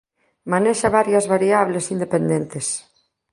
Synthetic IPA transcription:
maneʃaβaɾjazβaɾiaβlesind̪epend̪ent̪es

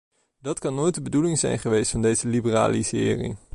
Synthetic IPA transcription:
dɑtkɑnːoːjt̚dəbədulɪŋzɛ̰jnχəʋejstfɑndejzəlibəra̰ːlisɪ̰ːrḭ

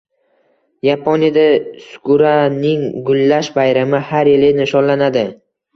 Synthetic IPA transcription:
japʰonijad̪asʊ̥kʰʊɾanɪŋɡʊlːaʃbajɾamɪhaɾjɪlɪnɪʃɒnlanad̪ɪ

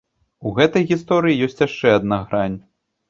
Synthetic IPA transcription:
uɣɛt̪ɐjɣʲist̪ɔɾɨjijɔsʲt͡sʲjaʂt͡ʂɛɐd̪naɣɾanʲ

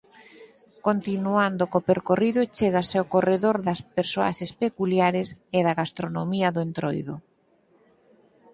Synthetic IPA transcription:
kont̪inuand̪okopeɾkoriðoet͡ʃeɣaseokoreðoɾðɐspeɾsoa̰ʃespekuljaɾeseðaɣast̪ɾonomiɐðʊent̪ɾo̰jðʊ̰

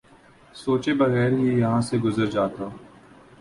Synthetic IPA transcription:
soːt͡ʃebɐɣɛːɾɦijɐɦãːseɡʊzəɾd͡ʒaːt̪aː

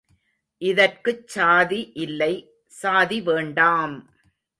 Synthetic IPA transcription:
ʔɪðɐrkɯt͡ʃːaːðiʔɪlːɐɪ | saːðiʋeːɳɖaːm

